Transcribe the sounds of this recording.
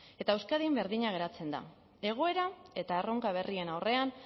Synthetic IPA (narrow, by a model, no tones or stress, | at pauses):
e̞t̪aewskaðimbe̞ɾðiɲaɣ̞e̞ɾat͡se̞nd̪a̰ | e̞ɣ̞o̞e̞ɾae̞t̪aero̞ŋkaβ̞e̞rie̞nawre̞an